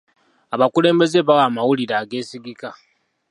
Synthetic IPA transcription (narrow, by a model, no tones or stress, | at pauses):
aβakule̞ːmbe̞zeβawaːmawuliɾaːɡe̞ːsiɡika